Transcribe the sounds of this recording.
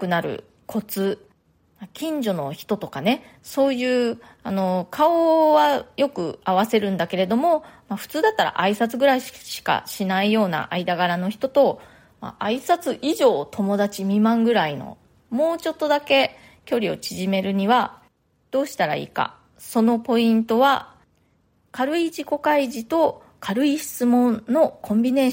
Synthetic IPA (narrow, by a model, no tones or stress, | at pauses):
kɯ̟naɾɯ̟̰ | kʰo̞t͡sɨ | makʲĩɲ̟d͡ʑo̞no̞çi̥t̪o̞t̪o̞kane̞so̞ːjɯ̟ː | ano̞kʰaoβajo̞kɯ̟aβ̞ase̞ɾɯ̟̃nd̪ake̞ɾe̞d̪o̞mo̞maɸɯ̟̥t͡sɨːd̪at̪ːaɾa̰ʔaisat͡sɨɡɯ̟ɾaiɕi̥ka̰ɕinaijo̞ːna̰ʔaid̪aɡaɾano̞çi̥t̪o̞t̪o̞ | ma̰ʔaisat͡sɨʔiʑo̞ːt̪ʰo̞mo̞d̪at͡ɕimʲimãŋɡɯ̟ɾaino̞̰ | mo̞ːt͡ɕo̞t̪ːo̞d̪ake̞ | kʲo̞ɾʲio̞̰t͡ɕiʑime̞ɾɯ̟ɲ̟iβa | d̪̥o̞ːɕi̥t̪aɾa̰ḭːka̰ | so̞no̞po̞ĩnt̪o̞βa | kaɾɯ̟iʑiko̞kaiʑit̪o̞ | kʰaɾɯ̟iɕi̥t͡sɨmõ̞nnːo̞kʰõ̞mbʲine̞ː